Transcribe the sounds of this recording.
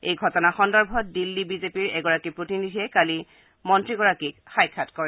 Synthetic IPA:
ejɡʱɔtɔnaxɔndɔɹbʱɔt̚dilːibizepiɹɛɡɔɹakipɹotinidʱiɛkali | mɔntɹiɡɔɹakikxajkʰːatkɔɹɛ

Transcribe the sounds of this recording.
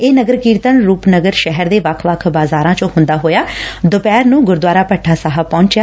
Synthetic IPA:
eːnəɡəɾkiːɾt̪ənɾuːpnəɡəɾʃɛɦəɾd̪eːʋəkʰʋəkʰbaːzaːɾãːt͡ʃõːɦʊnd̪aːɦoːjaːd̪ʊpɛːɾnũːɡʊɾd̪waːɾaːpəʈʰːaːsaɦəpɔ̃ːɲt͡ʃjaː

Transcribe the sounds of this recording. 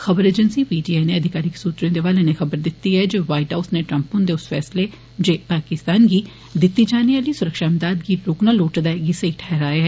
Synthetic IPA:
xəbəɾeːd͡ʒənsipiːd͡ʒiːaːjneːəd̪ʱɪkaːɾɪksuːt̪ɾjõːd̪eːʋaːlenexəbəɾd̪ɪt̪ːiɦɛːd͡ʒeʋaːɪʈaːʊsneːʈɾəmpʊ̃nd̪eːʊsfɛːsleː | d͡ʒeːpaːkɪst̪aːnɡiː | d̪ɪt̪ːid͡ʒaːniaːliːsʊɾəkʃaːəmd̪aːd̪ɡiːɾoːknaːloːʈd̪aːɡɪsəiʈʰɛːɾaːeɦɛː

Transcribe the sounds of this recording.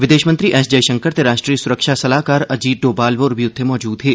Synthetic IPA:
ʋɪd̪eːʃmə̃nt̪ɾiʔɛːsd͡ʒɐjʃɐ̃ŋkəɾt̪eɾaːʃʈɾiːəsʊɾəkʃasɐlaːɦkaːɾɐd͡ʒiːɖoːbaːlʋoːɾʋijʊːemɔːd͡ʒuːd̪ɦɛː

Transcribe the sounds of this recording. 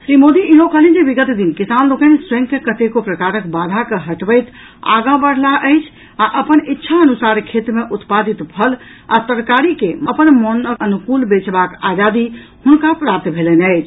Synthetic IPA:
sɾimod̪iiɦokəɦlind͡ʒebiɡət̪d̪inkisanlokənsɾə̃ŋkːekət̪ekopɾəkaɾəkbad̪ʱakeɦəʈbəjt̪ | a̰ɡãbəɽ̤laʔəɪt͡ʃʰ | aʔəpənitːʃʰaənusaɾkʰet̪ɾmeʔut̪pad̪it̪pʰəl | at̪əɾkaɾikeməpənmonəənukulbet͡ʃbakad͡ʒad̪ihunkapɾap̚t̪ʰbʱelɛnəɪt͡ʃʰ

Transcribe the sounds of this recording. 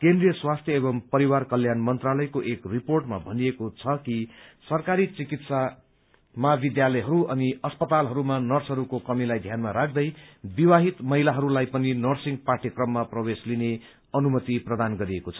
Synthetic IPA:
kẽnd̪rijʌswast̪ʰjʌebʌmpʌɾiwarkʌljanmʌnt̪ralʌjkoʔekriporʈma̰bʱʌniekot͡sʰʌkisʌrkaɾit͡sikit̪sa | mabid̪jalʌjɦʌɾuʌniʌspʌt̪alɦʌɾumanʌrt͡sʰɦʌɾukokʌmilajd̪ʱjanmaɾak̚ʰd̪ʌjbiwaɦit̪mʌɦilaɦʌɾulajpʌninʌrsiŋɡparʈikrʌmːaprʌwesline | ʌnumʌt̪iprʌd̪anɡʌɾiekot͡sʰʌ̥

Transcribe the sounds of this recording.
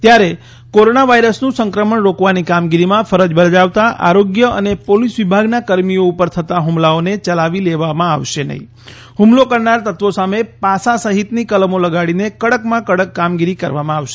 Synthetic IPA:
t̪jaɾe | koɾonaʋaiɾəsnũsəŋkɾəməɳɾokʋanikamɡiɾimãfəɾəd͡ʒbəɾd͡ʒaʋt̪aʔa̰ɾoɡjəʔə̰nepolisʋibʱaɡnakəɾmijoupəɾt̪ʰət̪aɦumlaonet͡ʃəlaʋileʋamãaʋʃenə̰ɦḭ̃ | humlokəɾnaɾt̪ət̪ʋosamepasasəɦit̪nikəlmoləɡaɽinekəɽəkmãkəɽəkːamɡiɾikəɾʋamãaʋʃe

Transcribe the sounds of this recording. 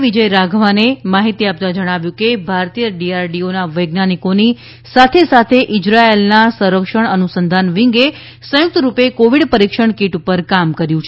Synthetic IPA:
ʋid͡ʒəjɾaɡʱʋanemaɦit̪iap̚t̪ad͡ʒəɽ̃aʋjũkebʱaɾt̪ijəɖiaɾɖionaʋəjɡnanikoni | sat̪ʰesat̪ʰeʔɪd͡ʒɾaelnasə̃ɾəkʂəɳənusənd̪ʱanʋiŋɡe | sə̃jʊk̚t̪əɾupekoʋiɽpəɾikʃəɳkiʈupəɾkamkəɾjũt͡ʃʰe

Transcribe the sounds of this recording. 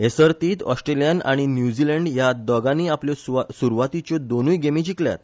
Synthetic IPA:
esəɾt̪iːt̪ɔsʈɾelijana̰ɽ̃injud͡ʑiləɳɖjad̪ɔɡaniːapljɔsuɾuʋat̪it͡ɕɔd̪onujɡemit͡ɕiklja̰t̪

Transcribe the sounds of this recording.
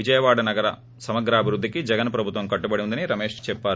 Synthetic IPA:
id͡ʒɐjɐʋaːɽɐnɐɡɐɾɐ | sɐmɐɡɾaːbʱiɾud̪ːikid͡ʒɛɡɐnpɾɐbʱut̪ʋɐmkɐʈːubɐɽiund̪ɐniɾɐmeːʂt͡ʃɛpːaːɾu

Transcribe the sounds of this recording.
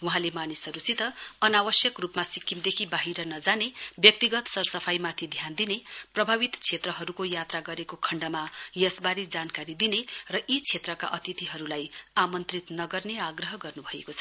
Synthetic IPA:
wuɦãlemanisɦʌɾusit̪ʌʌnawʌsjʌkrupmasikːimd̪ekʰibaɦiɾʌnʌd͡zanebjʌk̚t̪iɡʌt̪sʌrsʌpʰajmat̪ʰid̪ʱjand̪ineprʌbʱaβit̪t͡sʰet̪rʌɦʌɾukojat̪raɡʌɾekokʰʌɳɖʌmajʌsbaɾid͡zankaɾid̪inerʌʔit͡sʰet̪rʌka̰ʔʌt̪it̪iɦʌɾulajamʌnt̪rit̪nʌɡʌrneaɡrʌɦʌɡʌrnubʱʌḛkot͡sʰʌ̥

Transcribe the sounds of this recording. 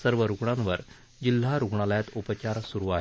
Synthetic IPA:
səɾʋəɾuɡɳãnʋəɾ | d͡ʑil̤ːaɾuɡɳaljat̪upət͡ɕaɾsuɾuaɦ

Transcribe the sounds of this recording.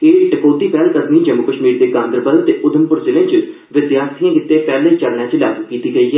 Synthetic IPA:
keːʈəkoːt̪iːpɛːlk̪əd̪niːd͡ʒəmʊkəʃmiːɾd̪eːkãːnd̪ɾəbəlt̪eːʔʊd̪ʱəmpʊɾzɪlẽːt͡ʃɪ | ʋɪd̪jaːt̪ʰijãːkɪt̪ːẽːpɛːlẽt͡ʃəɽɳ̃ãːt͡ʃila̰ːɡukiːt̪iːɡəiːɦɛː

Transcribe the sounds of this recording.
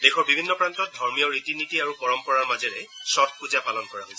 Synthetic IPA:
dexɔɹbibʱinːɔpɹantɔt̚dʱɔɹmijɔɹitinitiaɹupɔɹɔmpɔɹaɹmazɛɹɛsɔd̚puzapalɔnkɔɹaɦojsɛ

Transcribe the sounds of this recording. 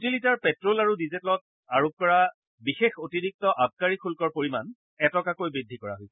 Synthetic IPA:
jutilitaɹpɛtɹolaɹudizitlɔt̚ | aɹop̚kɔɹa | bixexotiɹik̚tɔʔab̚kaɹikʰulkɔɹpoɹiman | ɛtɔkakojbɹidʱːikɔɹa̰ɦojsɛ

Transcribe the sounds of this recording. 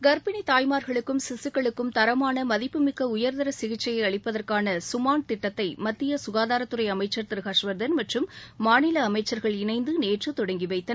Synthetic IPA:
ɡɐɾbɪnit̪aːjmaːɾɣɐɭɯkːɯmsɪsɯkːɐɭɯkːɯmt̪ɐɾɐmaːnɐmɐðɪpːɯmɪkːɐʊjɐɾd̪ɐɾɐsɪɣɪt͡ʃːɐjɐɪɐɭɪpːɐðɐrkaːnɐsʊmaːɳt̪ɪʈːɐt̪ːɐɪmɐt̪ːɪjɐsʊɣaːðaːɾɐt̪ːɯɾɐɪɐmɐɪt͡ʃːɐɾt̪ɪɾɯɣaːʂʋɐɾðɐnmɐʈrɯmːaːnɪlɐːmɐɪt͡ʃːɐɾɣɐɭɪnɐɪnd̪ɯneːʈrɯt̪ɔɽɐŋɡɪʋɐɪt̪ːɐ

